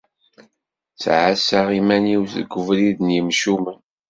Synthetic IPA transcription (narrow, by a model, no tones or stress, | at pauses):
t͡sːʕasaʁimæniwθɡʷəvɾiðənjəmʃumən